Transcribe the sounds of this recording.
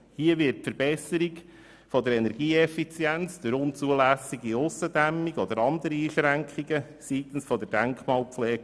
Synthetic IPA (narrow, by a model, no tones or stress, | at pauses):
hiəʋɪtfəɾb̥ɛsːəɾik | fɔd̪əɾɛnɛɾɡ̥iːɛfit͡sjænt͡sd̪̥øɾʊnt͡suəlæsiɡiʊsəd̪æmːiɡɔd̪əɾɑnd̪əɾiiːʃɾæŋkχiɡə | siːt̪ən̩sfɔd̪əɾd̥æŋkχmɑːlˠpflɛːɡ